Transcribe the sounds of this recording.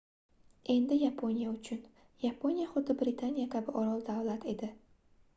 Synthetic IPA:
e̞nd̪ɪjapʰonijaʊt͡ʃʰʊn | japʰo̞nijaχʊd̪ːɪbɾɪt̪ʰanijakʲʰabɪʔɒɾɒlˠd̪awlat̪ʰe̞d̪ɪ

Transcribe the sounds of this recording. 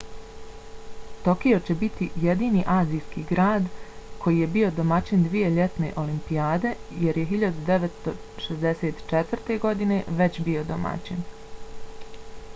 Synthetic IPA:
t̪o̞kio̞t͡ɕe̞bit̪ije̞d̪iːniːʔaːzijskiːɡɾaːd̪kʰo̞jiːje̞biːo̞d̪omat͡ɕind̪ʋije̞ʎe̞t̪ne̞̰ʔo̞limpijaːd̪e̞je̞ɾjeɦiʎad̪ud̪e̞ʋet̪st̪o̞ | ʃezd̪ese̞ːt̪t͡ʃet̪ʋrt̪e̞ɡo̞d̪ine̞ʋe̞t͡ɕbio̞d̪oma̰t͡ɕin

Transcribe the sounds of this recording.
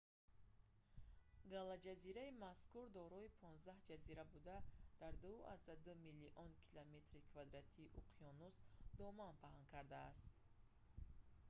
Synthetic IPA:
ɡalad͡ʒaziɾaimaskuɾd̪ɔɾɔipʰɔnzd̪ahd͡ʒaziɾabud̪ad̪̥aɾd̪ua̰zd̪ad̪umilːiʔɔnkʰilame̞t̪ɾikʰvad̪ɾat̪ʰiːʔuqʰiɔnusd̪ɔmanpʰaɦaŋkʰaɾd̪aːst̪

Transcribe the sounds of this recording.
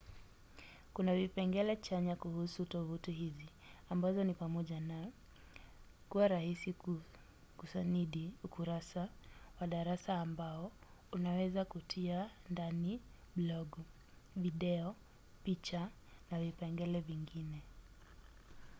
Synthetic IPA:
kunavipɛŋɡɛlɛt͡ʃaɲakuhusutɔvutiɦizi | ambazɔnipamɔʄana | kuwaɾahisi | kusaniɗiukuɾasawaɗaɾasaːmbaɔunawɛzakutʰiandani | blɔɡ | viɗɛɔ | pit͡ʃa | navipɛŋɡɛlɛviŋɡinɛ

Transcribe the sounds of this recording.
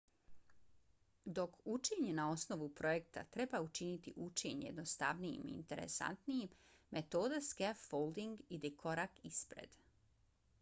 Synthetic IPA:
d̪o̞kut͡ʃiɲenao̞sno̞ʋupɾo̞jekt̪a̰t̪ɾe̞baut͡ʃinit̪ḭʔut͡ʃeɲje̞d̪nost̪a̰ʋnijḭmḭːnt̪e̞ɾḛsa̰nt̪nijimːe̞t̪o̞ːd̪askefːolˠd̪iŋɡid̪ikʰo̞ɾakispɾḛd̪̥

